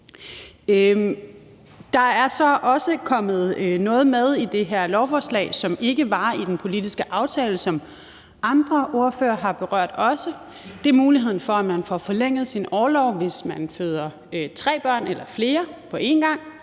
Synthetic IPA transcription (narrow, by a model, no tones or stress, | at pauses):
ø | d̥ɑ̈æɐsɒ̽ʔɒ̽səkʰɒ̽m̰ð̩ˠnɔ̽ːð̞̩ˠmeð̞ˠid̥e̝ɦæɐ̰lɒʊfɒːslɛ̰ːɪsɒ̽me̝ɡ̥əʋɑ̈id̥enpʰo̝lidisɡ̥əʔɑ̈ʊt͡sʰɛːləsɒ̽m | ʔɑ̈nd̥ʁɐʔo̝ɐfø̰ːɐɦɑ̈b̥e̝ʁɶɐ̰d̥ɒ̽sə | d̥e̝ɐmuːliɦe̝ð̞̰ˠn̩fɒ̽æmænfɒfɒ̽leŋ̰ð̞̩ˠsinɒːlɒʊʋe̝smænføːð̞ˠɐ | t͡sʰʁɛ̰ːb̥ɶɐ̰nelɐfle̝ːɐpʰɒ̽ʔe̝nɡ̥ɑ̈ŋ̰